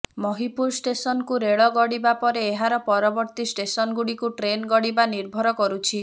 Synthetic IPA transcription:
mɔɦipuɾsʈesɔnkuɾeɭɔɡɔɽibapɔɾeːɦaɾɔpɔɾɔbɔɾt̪isʈesɔnɡuɽikuʈɾenɡɔɽibaniɾbʱɔɾɔkɔɾut͡ʃʰi

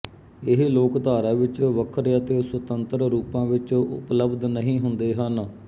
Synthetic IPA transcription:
ɪɦloːkd̪aːɾãːʋɪt͡ʃʋəkʰɾət̪eːswət̪ənt̪əɾɾuːpãːʋɪt͡ʃʊ̰pləbd̪nəɦĩːɦʊnd̪eːɦən

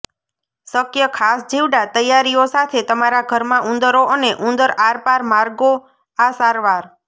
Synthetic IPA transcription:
səkjəkʰasd͡ʒiʋɖat̪əjaɾijosat̪ʰet̪əmaɾaɡʱəɾmãʔũnd̪əɾoʔəneʔũnd̪əɾaɾpaɾmaɾɡo | asaɾʋaɾ

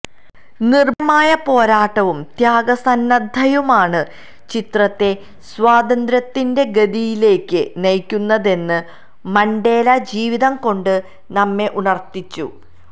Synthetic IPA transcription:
nirmaːjɐpo̞ːɾaːʈːɐʋumt̪jaːɡɐsɐnːɐd̪ʱɐjumaːɳɨ | t͡ɕit̪rɐt̪ːe̞ | swaːd̪ɐnd̪ɾɐt̪ːinde̞ɡɐðijile̞ːkːɨnɐjkʲːunːɐðe̞nːɨ | mɐɳɖe̞ːlɐd͡ʑiːʋiðɐmko̞ɳɖɨ | nɐmːe̞ʔunɐrt̪ːit͡ɕːṵ

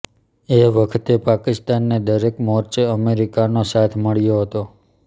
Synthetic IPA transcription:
eʋəkʰt̪epakɪst̪anːed̪əɾekmɔɾt͡ʃeəmeɾikanosat̪ʰməɭjoɦət̪o

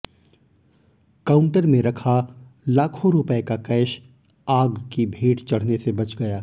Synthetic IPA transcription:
kaːʊ̃ɳʈəɾmẽɾɐkʰalaːkʰõɾʊpəekakɛːʃ | aːɡkibʱeːʈt͡ʃɐɽ̤nesebɐt͡ʃɡɐjaː

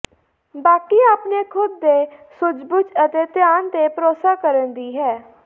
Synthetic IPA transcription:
baːkiːaːpneːkʰʊd̪ːeːsʊd͡ʒbʊt͡ʃət̪eːt̪ɪjaːnt̪eːpɾoːsaːkəɾənd̪iːɦɛː

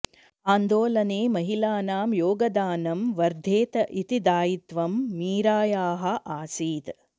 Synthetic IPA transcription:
aːnd̪oːlɐneːmɐɦilaːnaːmjoːɡɐd̪aːnɐmʋɐɾd̪ʱeːt̪ɐʔit̪id̪aːjit̪ʋɐmːiːɾaːjaːɦɐʔaːsiːt̪

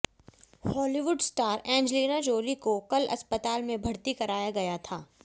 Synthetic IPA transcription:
hɔːliʋʊɖsʈaːɾɛ̃ːɲd͡ʒliːnad͡ʒoːlikokɐlɐ̰spət̪aːlmẽbʱɐɽt̪ikɐɾaːjaɡɐjat̪ʰaː

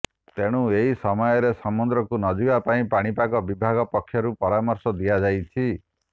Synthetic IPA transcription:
t̪eɽ̃ũeɦisɔmɔjɔɾesɔmund̪ɾɔkunɔd͡ʒibapaĩpaɽ̃ipaɡɔbibʱaɡɔpɔkʰːjɔɾupɔɾamɔɾsɔd̪iad͡ʒajt͡ʃʰi

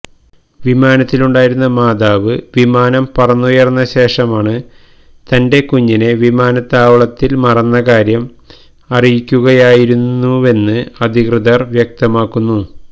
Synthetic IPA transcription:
ʋimaːnɐt̪ːiluɳɖaːjiɾunːɐmaːd̪aːʋɨʋimaːnɐmpɐrɐnːujɐrɐnːɐɕe̞ːʂɐmaːɳɨ | t̪ɐnde̞kuɲːineʋimaːnɐt̪ːaːʋɐɭɐt̪ːilmɐrɐnːɐkaːɾjɐm | ɐrijikʲːuɣɐjaːjiɾunːue̞nːɨɐd̪ʱikrɨðɐrʋjɐk̚t̪ɐmaːkːunːu

